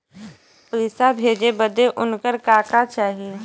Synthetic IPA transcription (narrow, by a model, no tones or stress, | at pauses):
pɾɪsabʱeːd͡ʒebəd̪eʔʊnkəɾkaːkat͡ʃaːɦie